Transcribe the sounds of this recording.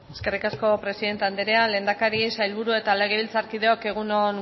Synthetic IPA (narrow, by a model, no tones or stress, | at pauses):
e̞ske̞rikasko̞pɾe̞siðe̞nt̪e̞and̪eɾeale̞ːnd̪akaɾiesajlβuɾue̞t̪ale̞ɣ̞eβilt͡saɾkið̞e̞oke̞ɣ̞unon